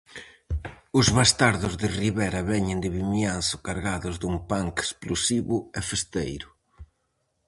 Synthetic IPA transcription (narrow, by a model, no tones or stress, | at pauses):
ʊzβast̪aɾðʊzðɪriβɛɾɐβɛɲɪnd̪ɪβimjansʊ̥kaɾɣaðʊzðumpaŋke̥splosiβʊefest̪ejɾʊ